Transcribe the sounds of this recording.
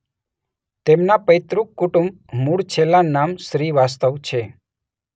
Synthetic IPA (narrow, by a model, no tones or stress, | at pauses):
t̪emnapəjt̪ɾukːuʈum | muɽt͡ʃʰelanːamsɾiʋast̪əʋt͡ʃʰe